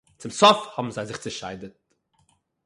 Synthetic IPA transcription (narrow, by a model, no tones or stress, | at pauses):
t͡sɪmsɔfhɔbm̩zaɪzɪχt͡səʃaɪdət̚